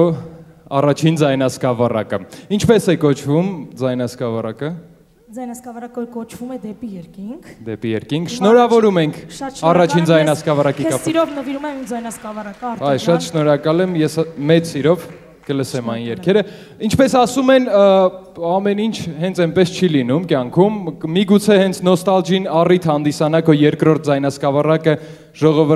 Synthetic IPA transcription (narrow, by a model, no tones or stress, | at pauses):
ɑ̰rɑt͡ʃʰind͡zɑjnɑskɑvɑrɑ̰kəint͡ʃʰpɛsɛkɔt͡ʃʰvumd͡zɑjnɑskɑvɑrɑkə | d͡zɑjnɑskɑvɑrɑkəɔɾkɔt͡ʃʰvumɛd̪ɛpijɛɾkiŋkkʰd̪ɛpijɛɾkiŋkʰʃnɔɾɑvɔɾumɛŋkʰʃɑrɑt͡ʃʰind͡zɑjnɑskɑvɑɾɑkiɑiɾɔvnəviɾumɛmimd͡zɑjnɑskɑvɑrɑkɾɑjʃɑt̪ʃnɔɾɑkɑlɛmjɛsmɛt͡ssiɾɔv | kələsɛmɑjnjɛɾkʰɛɾə | int͡ʃʰpɛsɑsumɛn | ɑmɛnint͡ʃʰɦɛnt͡sʰɛnpɛst͡ʃʰilinumkjɑŋkʰumːiɡut͡sʰɛhɛnt͡sʰnɔst̪ɑld͡ʒinɑrit̪ʰhɑnd̪isɑnɑkɔjɛɾkɾɔɾt̪̚ʰd͡zɑjnɑt͡skɑvɑrɑkə | ʒ̥ɔʁɔvə